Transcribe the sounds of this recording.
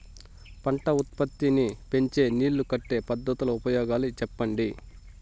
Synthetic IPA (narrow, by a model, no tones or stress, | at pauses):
pɐɳʈɐut̪̚pɐt̪ːinipe̞ɲt͡ʃe̞ːniːɭːukɐʈːe̞ːpɐd̪ːɐt̪ulɐupɐjɔːɡaːlit͡ʃɛpːɐɳɖi